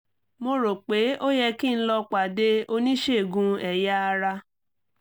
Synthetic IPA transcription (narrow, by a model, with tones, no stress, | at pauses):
mo˧ɾo˨k͡pe˨˦o˦jɛ˧ki˦˧ñ̩˦lɔ˧k͡pa˨de˦o˧nĩ˦ʃe˦˨ɡũ˧ɛ˨ja˦a˧ɾa˧